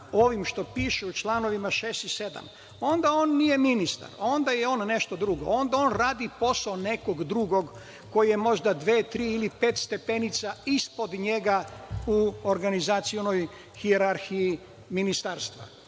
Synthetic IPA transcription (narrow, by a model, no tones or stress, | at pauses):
o̞ʋimʃt̪o̞piːʃuut͡ʃlˠaːno̞ʋimaʃeːst̪ise̞d̪a̰m | o̞nd̪ao̞ːnːije̞minist̪a̰ɾo̞nd̪ajeo̞ːnːe̞ʃt̪o̞d̪ɾuɡo̞̰o̞nd̪ao̞ːnɾaːd̪ipo̞saone̞ko̞ɡd̪ɾuɡo̞ɡ | ko̞jje̞mo̞ʒd̪ad̪ʋe̞ːt̪ɾiːilipet̪st̪e̞pe̞nit̪saispo̞d̪ɲe̞ɡauoɾɡanizat̪siono̞j | hieɾaɾxiji | minist̪aːɾst̪ʋa̰